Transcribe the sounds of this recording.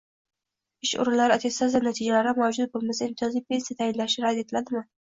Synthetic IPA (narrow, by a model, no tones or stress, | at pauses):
ɪʃʊ̰ɾɪnlːaɾɪat̪ʰest̪azanat̪ʰid͡ʒalaɾamad͡ʒʊz̚bolˠmɪzaɪmt̪ʰɪjɒzipensat̪ʰajɪnlaʃɪɾad̪e̞t̪ʰɪlad̪ɪmɪ